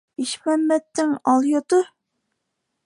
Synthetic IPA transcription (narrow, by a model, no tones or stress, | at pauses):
iʃmɛmːɛt̪ːɪŋɑlˠjot̪ʊ